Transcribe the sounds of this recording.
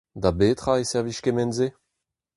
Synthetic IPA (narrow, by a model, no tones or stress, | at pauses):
d̪abet̪χaesɛʁviʃkemɛnze